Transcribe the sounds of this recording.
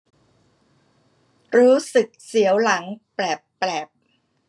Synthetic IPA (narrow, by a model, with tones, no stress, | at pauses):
ɾuː˦˥sɯ˨˩k̚si˩˦əwla˩˦ŋplɛː˨˩pːlɛː˨˩p̚